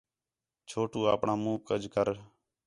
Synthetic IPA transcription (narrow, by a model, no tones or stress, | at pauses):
t͡ʃʰoːʈuːaːpɳaːmũːkəd͡ʒʱkəɾ